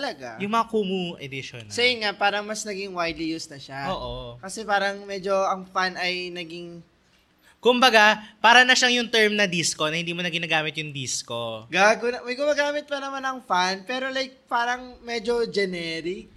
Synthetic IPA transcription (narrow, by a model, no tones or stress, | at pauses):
t̪ɐlɐɡajʊŋmɐŋakuːmuʔɛd̪ɪʃo̰nsɐjɪŋapaːɾɐŋmɐsnɐɡiŋwajd̪lijusnɐʃaoːʔokɐsɛpaːɾɐŋmɛd͡ʒo̞ɐŋfanɐjnɐɡiŋ | kʊmbɐɡapaːɾɐnɐʃaŋjʊŋt̪ɛɹmnɐd̪isko̞nɐhɪnd̪iːmonɐɡɪnaːɡaːmɪt̪jʊŋd̪isko̞ɡaɡʊnɐmɐjɡʊmaːɡaːmɪt̪̚pɐnɐmanɐŋfanpɛːɾo̞lajk̚paːɾɐŋmɛd͡ʒo̞d͡ʒɛnɛɾik